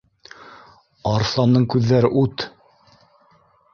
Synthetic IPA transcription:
ɑɾθlˠɑnd̪ɤɴkʉðːæɾɘʔʉt̪

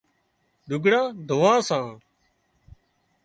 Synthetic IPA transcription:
ɗʊɡɽãːd̪ʱʊʋãːsãː

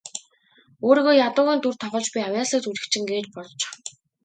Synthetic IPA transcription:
oːɾiːɣoːjat̪ʊːɣeːnt̪urt̪ʰɔχɞ̆ɮt͡ɕpiawʲjaːsə̆ːkt͡suɮɘ̆kt͡ɕʰĭŋɡeːt͡ɕpɔɮɞt͡ɕ

